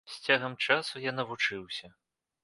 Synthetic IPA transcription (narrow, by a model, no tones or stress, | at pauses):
sʲt͡sʲaɣɐmt͡ʂasujanɐvut͡ʂɨwsʲɐ